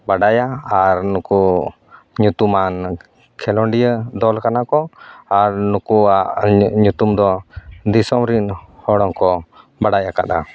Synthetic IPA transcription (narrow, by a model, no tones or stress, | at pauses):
baɖajaaɾnuku | ɲut̪uman | kʰɛlɔɳɖijəd̪ɔlkanakɔaɾnukuaʔɲut̪umd̪ɔd̪isɔmɾinhɔɽɔŋkɔ | baɽajaka̰d̪a̰